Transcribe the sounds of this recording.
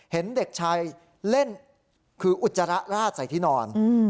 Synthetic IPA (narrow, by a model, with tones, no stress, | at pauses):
he˩˦nde˨˩k̚t͡ɕʰaː˧j | le˥˩n | kʰɯː˧ʔu˨˩t̪̚sa˧ɾa˦˥ʔɾaː˥˩t̪̚sa˨˩˦jt̪ʰiː˥˩nɔː˧nː˧